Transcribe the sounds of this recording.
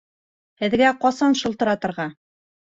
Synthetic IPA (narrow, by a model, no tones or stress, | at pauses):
hɘ̆ðɡæqɑsɑnʃɤ̆lˠt̪ɤ̆ɾɑt̪ɤ̆ɾʁɑ